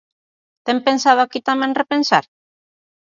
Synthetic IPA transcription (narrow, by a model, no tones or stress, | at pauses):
t̪empensað̞oakit̪amɛ̃ŋrepensa̰ɾ